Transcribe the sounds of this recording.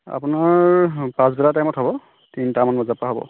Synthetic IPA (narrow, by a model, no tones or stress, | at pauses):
a̰punaɹpãzbɛlatajmɔtɦɔbɔ | tintamanbɔzapɹaɦɔbɔ̰